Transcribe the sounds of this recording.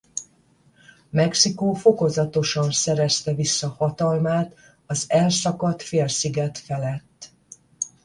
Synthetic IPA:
mɛksikoːfo̞ko̞zɒt̪o̞ʃɒnsɛɾɛst̪ɛvisːɒhɒt̪ɒlmaːt̪ | ɒzɛlsɒkɒt̪feːlsiɡɛt̪fɛlɛt̪ː

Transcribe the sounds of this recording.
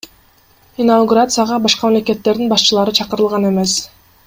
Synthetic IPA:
inawɡuɾat̪sɨjaʁɑbɑʃqɑmamleke̞t̪ːe̞ɾd̪inbɑʃt͡ʃɯlˠɑɾɯt͡ʃʰɑqɯɾɯlˠʁɑne̞me̞s

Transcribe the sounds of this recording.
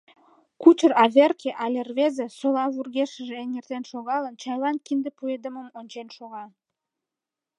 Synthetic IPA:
kut͡ɕərɑβerkeʔɑlʲervezesolɑβurɣeʃəʒeenert̪enʃoɣɑlənt͡ɕɑjlɑnkind̪epued̪əməmonʲt͡ɕenʃoɣɑ

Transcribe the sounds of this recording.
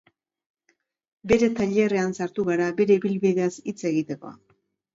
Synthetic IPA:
be̞ɾe̞t̪aʎere̞ansaɾt̪uɣaɾabe̞ɾe̞iβilβiðe̞asit͡se̞ɣit̪e̞ko̞a̰

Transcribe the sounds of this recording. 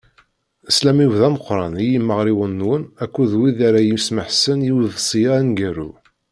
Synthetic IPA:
əslæmivðæməqːɾˤɑnijimːəʁɾiwənːwənækʷːuðwiðaɾajimsməħsənjiwðsˤijaænɡæɾṵ

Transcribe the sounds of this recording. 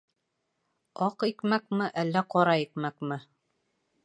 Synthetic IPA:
ɑqikmækmɘʔælːæqɑɾɑikmækmɘ

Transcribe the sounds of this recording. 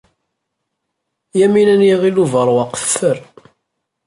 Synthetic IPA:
jæminænjiʁiluvəɾˤwɑqθθəɾ

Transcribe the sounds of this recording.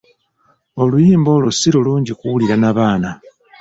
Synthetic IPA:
o̞lujiːmbo̞lusiɾuluːɲɟikuwuliɾanaβaːna

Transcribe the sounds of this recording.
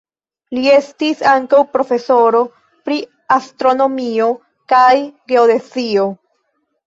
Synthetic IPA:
lie̞stisaŋkawpɾo̞fe̞so̞ɾo̞ | pɾi | astɾo̞no̞mio̞ | kajɡe̞ode̞sio̞

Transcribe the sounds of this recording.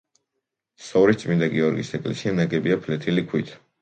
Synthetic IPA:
sɔɾit̪t̪sʼmind̪aɡiɔɾɡḭsɛkʼlɛsianaɡɛbiapʰlɛt̪ʰilikʰwit̪ʰ

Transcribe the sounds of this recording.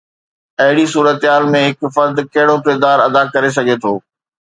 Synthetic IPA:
ɐɦɪɽisuːɾət̪ɦaːlmẽɦɪkfɐɾd̪kɐɦɪɽokɪɾd̪aːɾɐd̪akɐɾes̬ɐɡʱet̪ʰoː

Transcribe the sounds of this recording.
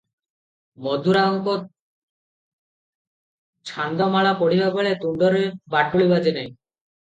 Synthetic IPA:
mɔd̪ʱuɾaɔŋkɔt̪̚ | t͡ʃʰand̪ɔmaɭapɔɽibabɔɭet̪uɳɖɔɾebaʈuɭibad͡ʒenaj̃

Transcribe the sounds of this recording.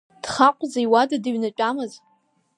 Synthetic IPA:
d̥χaqʷʼzejwadadɨɥnɨt͡ʃʼamɨz

